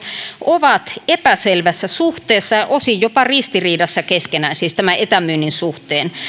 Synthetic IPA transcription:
oʋɑt̪epæselʋæsːæsuht̪ˑeːsːɑɑʔosijjopɑrist̪iriːdɑsːɑkeskenæːnsiːst̪æmæʔet̪æmyːnːinsuht̪eːn

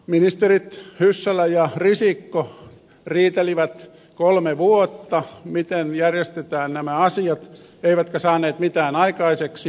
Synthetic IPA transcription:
minist̪erit̪hysːælæjɑrisikːo | riːt̪eliʋæt̪ | kolmeʋuot̪ːɑmit̪enjærjest̪et̪æːnnæmæɑsiɑt̪ | eiʋæt̪kæsɑːneːt̪mit̪æːnɑikɑiseks

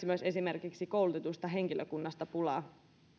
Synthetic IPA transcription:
imyøse̞sime̞rkiksiko̞wlut̪et̪ust̪ɑɦe̞ŋk̟iløkunːɑst̪ɑpulɑː

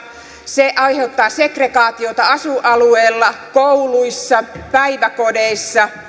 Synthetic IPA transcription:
seʔɑihe̞ut̪ːɑːsekrekɑːt̪io̞t̪ɑɑsuʔɑlueːlːɑkouluisːɑpæiʋækodeisːɑ

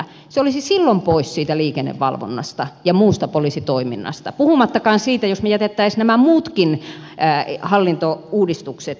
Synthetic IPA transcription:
seolisisilːompoissiːt̪æliːkenːḛʋʋɑ̰lʋo̰nːɑ̰st̪ɑjɑmuːst̪ɑpolisit̪oiminːɑ̰st̪ɑ̰puhumɑt̪ːɑkɑːnsiːt̪æjosmejæt̪et̪ːæisnæmæmuːt̪kinː | hɑlːint̪ouːdist̪ukset̪

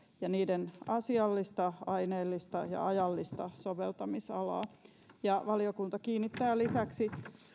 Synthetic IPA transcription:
jɑniːdenɑsiɑlːist̪ɑɑineːlːist̪ɑjɑ̰ɑjɑlːist̪ɑsoʋelt̪ɑmisɑlɑ̰ː | jɑʋɑliokunt̪ɑkiːnːit̪ːæːlisæksi

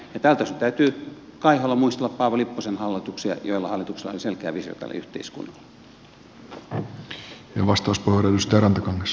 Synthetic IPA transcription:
jɑt̪ælt̪æsyt̪æyt̪yː | kɑiholːɑmuist̪elːɑppɑːʋɑlipːosenhɑlːit̪uksiɑ̰joilːɑhɑlːˑit̪uksilːˑɑo̰lʲiselkeæ̰ːʋisio̰t̪æ̰l̰y̰ht̪ḛiskṵnːɑlː | jɑʋɑst̪ɑuspohrɑlust̪æɾɑnt̪ɑkɑŋːes

